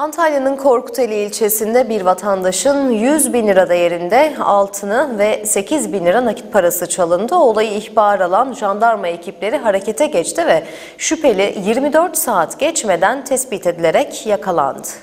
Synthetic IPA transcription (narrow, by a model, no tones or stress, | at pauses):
ant̪ʰalʲjanɯnkʰo̞ɾku̥t̪ʰelʲiːlʲt͡ʃʰe̞sind̪ɛbiɾvat̪ʰand̪aʃɯnjyzbinlʲiɾad̪aje̞ɾind̪ɛa̰lˠt̪ʰɯnɯvɛse̞cʰizbinlʲiɾanacʰi̥t̪̚pʰaɾasɯt͡ʃʰalˠɯnd̪ɯo̞lˠajɯiçbaːɾalˠanʒand̪aɾmaecʰiplʲe̞ɾiɦaɾe̞ce̞t̪ʰɛɟɛt͡ʃt̪ʰivɛ | ʃypʰe̞lʲijiɾmid̪øɾt̪saːt̪ɟ̥ɛt͡ʃme̞d̪ænt̪ʰɛsbiːt̪ʰed̪ilʲe̞ɾɛcjakʰalˠa̰nd̪ɯ̥